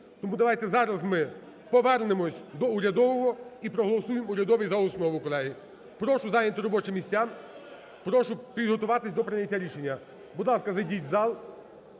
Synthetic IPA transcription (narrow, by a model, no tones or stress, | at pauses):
t̪ɔmud̪ɐʋɑjt̪ɛzɑɾɐzmɪ | pɔʋɛrnemɔsʲd̪ɔʊɾʲɐd̪ɔʋɔɦɔipɾɔɦɔlˠɔsujemʊɾʲɐd̪ɔʋijzɐɔsnɔʋʊkɔlˠɛɦi | pɾɔʃʊzɑjnʲɐt̪ɪɾɔbɔt͡ʃɪmʲisʲtʲːa | pɾɔʃʊpʲid̪ɦɔt̪ʊʋɑt̪ɪsʲd̪ɔpɾɪnʲːɐtʲːaɾʲiʃenʲːɐ | bud̪lˠɑskɐzɐdʲitʲzɑlˠ